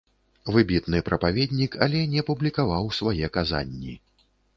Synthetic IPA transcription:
vɨbʲit̪nɨpɾɐpavʲɛd̪ʲnʲikalʲɛnʲɛpublʲikavawsvajɛkaza̰nʲːḭ

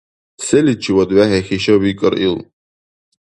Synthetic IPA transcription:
sɛlit͡ʃʰiwɔd̪wæɦɛxiʃɐwikʼəɾʔḭlˠ

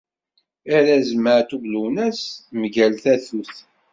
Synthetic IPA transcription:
æɾæzməʕt̪uvluwnæsməʝælθæθuθ

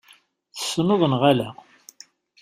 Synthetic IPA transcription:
θə̥sːnoðˤənʁalæ

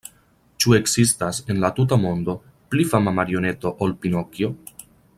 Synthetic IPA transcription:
t͡ʃue̞kzistase̞nlat̪ut̬amo̞nd̪o̞ | plifamamaɾio̞ne̞t̪o̞ʔolpino̞kjo̞

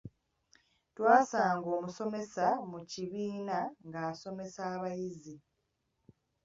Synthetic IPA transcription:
twaːsaːŋɡo̞ːmuso̞me̞samuciβiːnaŋɡaːso̞me̞saːβajizi

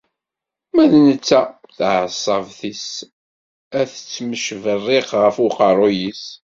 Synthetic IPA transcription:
mæðnət͡sːæθʕəsˤːəvθis | æθə̥t͡sːməʃvərːɪqʁəfuqɑɾˤojis

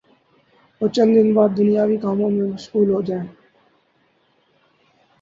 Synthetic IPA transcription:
oːt͡ʃənd̪ɪnbaːd̪̚d̪ʊnijaːʋikaːmõmẽmʊʃkuːlɦod͡ʒaːẽ

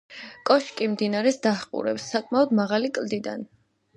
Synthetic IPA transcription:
kʼɔʃkʼimd̪inaɾɛsd̪aχqʼṵɾɛpsːakʼmaɔd̪maʁalikʼld̪id̪a̰n

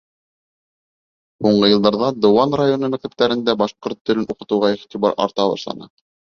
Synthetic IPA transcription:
huɴɢɤjɤ̆lˠd̪ɑɾðɑd̪ŏwɑnrajo̞nɤmɘ̆k̚t̪ɘ̆p̚t̪æɾɘ̆nd̪æbɑʃqoɾt̪ːɵ̆lɘnuqɤ̆t̪ɤ̆wʁɑiχt̪ʲibɑ̰ɾɑ̰ɾt̪ɑβɑ̰ʃlˠɑ̰nɤ

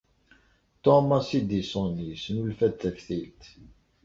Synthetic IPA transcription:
t̪ɔmɑsid̪isɔ̃nisnulfæt̪ʰːæfθilt̪

